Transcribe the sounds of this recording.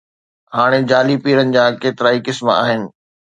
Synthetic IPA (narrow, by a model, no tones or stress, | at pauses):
haːɽ̃ed͡ʑaːlipiːɾənɪ̆d͡ʑaːkeːt̪ɪɾaːikɪsma̰ːɦɪnɪ̆